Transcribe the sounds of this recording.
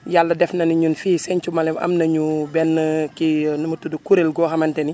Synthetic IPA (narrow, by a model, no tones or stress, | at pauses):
jalːɐdɛfnɐniɲunfiːsɛɲt͡ʃumɐlɛmʔɐ̰mnɐɲubɛnːəkinɐmətːudukuɾelɡɔːxɐmɐntɛni